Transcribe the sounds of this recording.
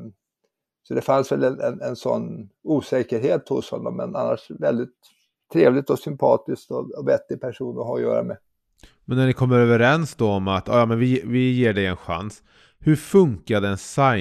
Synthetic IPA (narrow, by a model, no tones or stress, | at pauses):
sɔd̪ɛfansvɛlɛnɛnɛnsɔ̰nːuːsɛːkəɾɦeːt̪hʊshɔnːɔ̰mːɛ̰na̰nːaʂvɛld̪ɪt̪ʰː | ɾeːvlɪt̪ɔsʏmpʰɑːt̪ɪskt̪ɔɔvɛt̪ːɪpʰæʂuːnɔɦaɾɔjœ̰ːɾa̰mɛ | mɛnːæɳɪkʰɔmːəɾøːvəɾɛnsd̪ɔɔmat̪jɑ̰ːjɑːmɛnvɪvɪjeːɖɛjɛnɧa̰ns | hɵɾfɵŋkad̪ɛɛnsa